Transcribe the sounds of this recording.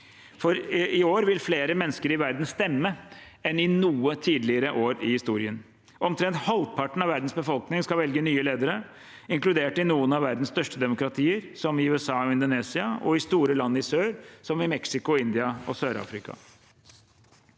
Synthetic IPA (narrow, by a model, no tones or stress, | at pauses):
fɔɾɪoːɾʋɪlfleːɾəmɛnːəskəɾɪʋæɾd̪n̩st̪ɛmːə | ɛnɪnuːət̪ʰiːd̪lɪəɾəʔoːɾɪhɪst̪uːɾɪən | ʔɔmt̪ʰɾɛnt̪hɑld̪̚pʰɑʈːɳ̩ɑʋæɾd̪n̩sbəfɔlknɪŋskɑʋɛlɡənyːəleːd̪əɾə | ɪŋklʉd̪eːʈɪnuːənɑʋæɾd̪n̩st̪œʂʈəd̪ɛmʊkɾɑt̪ʰiːəɾsɔmɪʉːɛsɑːɔɪnd̪ʊneːsɪɑɔ̰ɪst̪uːɾəlɑnːəɪsøːɾsɔmɪmɛksɪkʊɪnd̪ɪɑɔ̰søːɾɑ̰ːfɾɪkɑ̰